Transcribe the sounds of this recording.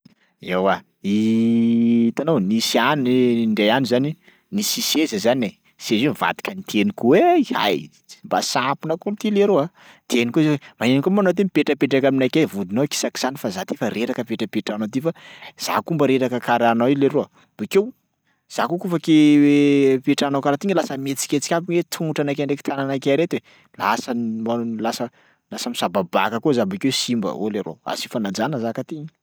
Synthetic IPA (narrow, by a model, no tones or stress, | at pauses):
ewa | i | t̪anownisianiɳɖ͡ʐejanizani | nisisezəzane | sezemva̰t̪i̥kʰənit̪ʰenikuweiha̰j | mba̰sapinəkumit̪ileɾoa | t̪enikuizewemanenikomanawt̪̬emipeʈ͡ʂəpeʈ͡ʂakaminajkevud̪inoki̥saki̥sanifazat̪efaɾeɾakəpeʈ͡ʂəpeʈ͡ʂanat̪efaz̥a̰kumbəɾeɾakəkaɾanawileɾoa | b̥ikew | z̥akukufakewpeʈ͡ʂanawkaɾat̪iɲəlasəmet͡si̥kʲet͡si̥kʲabiɲwet̪ʰuŋuʈ͡ʂanakeɳɖ͡ʐeki̥t̪ananakeɾet̪we | lasəmalasə | lasəmisababa̰kəkuzabikewesimbə̰o̰leɾo̰a̰si̥fanad͡zanəzakat̪iɲi̥